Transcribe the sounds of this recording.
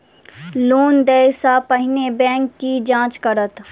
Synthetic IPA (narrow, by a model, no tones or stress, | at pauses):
loːnd̪ɛjsapɐɦɪnebɛ̃ːŋkːid͡ʒãːt͡ʃkəɾət̪